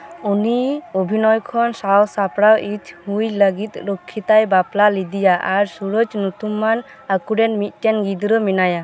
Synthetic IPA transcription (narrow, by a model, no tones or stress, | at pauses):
uniobʱinɔjkʰɔnsawsapɽawʔit̪ʰhujləɡit̪̚ɾɔkʰːit̪ajbaplalid̪ijaʔaɾsuɾəd͡ʒnut̪umːan | akuɖɛnmit̪̚ˀʈɛnɡid̪ɾɔminaja